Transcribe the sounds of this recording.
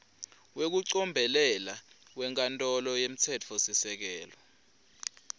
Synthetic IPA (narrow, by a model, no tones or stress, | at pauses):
wek̬uǀɔmbʱɛlɛlawɛŋkʼantʼɔlɔjem̩tʰɛt͡fʰɔsisɛk̬ɛːlɔ